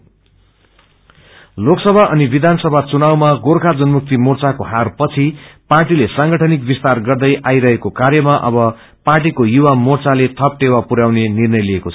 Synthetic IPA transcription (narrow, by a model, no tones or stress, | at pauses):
loksʌbʱaʔʌnibid̪ʱansʌbʱat͡sunawmaɡorkʰad͡zʌnmuk̚t̪imort͡sakoɦarpʌt͡sʰiparʈilesãŋɡʌʈʰʌnik̚bist̪arɡʌrd̪ʌjʔajɾʌɦekokarjʌmaʔʌ̰bʌ | parʈikojuwamort͡salet̪ʰʌp̚ʈewapuɾawnenirnʌjliekot͡sʰʌ